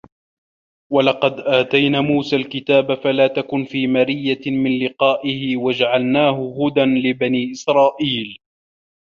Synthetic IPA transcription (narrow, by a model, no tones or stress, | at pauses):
walɑqɑd̪ʔaːt̪ajnaːmuːsaːlkɪt̪aːbafalaːt̪akʊnfiːmaɾɪjːamɪnlɪqɑːʔɪhɪwad͡ʒaʕalnaːhʊhʊd̪anlɪbaniːʔɪsɾˤɑːʔiːl